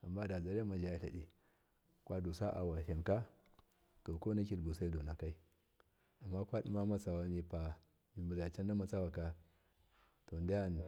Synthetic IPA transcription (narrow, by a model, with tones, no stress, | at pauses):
a˨mːa˦da˨za˨ɾe˦ma˨d͡ʒa˦ɬa̰˨di˨ | kʷa˦do˨sa˦ʔa̰˨wa˨ʃa˨nka˦ | ko˨ko˦na˦kʲi˨ɾbu˨sa˦do˨na˨ka˦i˦ | a˨mːa˦kʷa˦ɗi˦ma˦ma˦t͡sa˨wa˦ni˨pa˨ | mi˨mu˨za˨a˨t͡ʃa˦n˦da˦ma˨t͡sa˦wa˨ka˦ | to˨nda˦ja˦n